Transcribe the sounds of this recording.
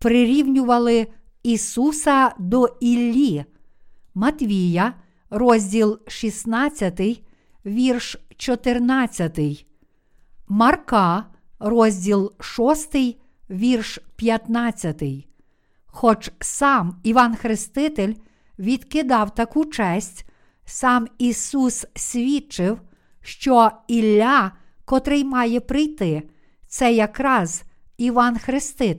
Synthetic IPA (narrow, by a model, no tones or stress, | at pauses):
pɾɪɾʲiwnʲʊʋɐlˠɪ | isusɐd̪ɔilʲːi | mɐt̪ʲʋʲijɐ | ɾɔzʲdʲilˠʃisnɑt͡sʲːɐt̪ɪj | ʋʲirʃt͡ʃɔt̪ɪrnɑt͡sʲːɐt̪ɪj | mɐrkɑ | rɔzʲdʲilˠʃɔst̪ɪj | ʋʲirʃpʲjɐt̪nɑt͡sʲːɐt̪ɪj | xɔt͡ʃsɑmiʋɑnxɾɪst̪ɪt̪elʲ | ʋʲid̪̥kɪd̪ɑwt̪ɐkut͡ʃɛsʲtʲ | sɑmisussʲʋʲit͡ʃɪw | ʃt͡ʃɔilʲːa | kɔt̪ɾɪjmɑjɛpɾɪjt̪ɪ | t̪sɛjɐkɾɑz | iʋɑnxɾɪst̪ɪ